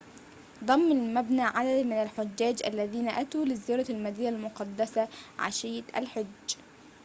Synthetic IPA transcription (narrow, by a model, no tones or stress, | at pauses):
d̪ˤɑmːalmabnaːʕad̪ad̪mɪnalħʊd͡ʒːæːd͡ʒʔa̰lːæðiːnaʔæt̪uːlɪzɪjɑːɾˤɑlmæd̪ijːalmʊqɑd̪ːasaʕa̰ʃɪjːt̪ʔa̰lħʊd͡ʒː